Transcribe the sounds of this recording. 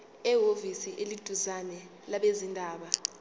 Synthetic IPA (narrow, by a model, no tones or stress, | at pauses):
ɛɦovisiʔelid̥ʱuzanɛ | laɓezindʱaːɓa